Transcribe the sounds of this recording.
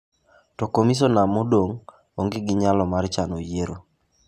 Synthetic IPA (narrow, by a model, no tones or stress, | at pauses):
tɔkomis̬onamodoŋ | oŋɡeɡɪɲalɔmaɾt͡ʃanojeɾo